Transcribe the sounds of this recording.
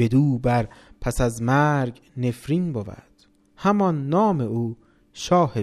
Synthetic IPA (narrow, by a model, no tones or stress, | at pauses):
bed̪uːbæɾpʰæsæzmæːɾɡ | ne̞fɾiːnbovæ̰d̪̥ | hæmɒnːɒːme̞uː | ʃɒːhe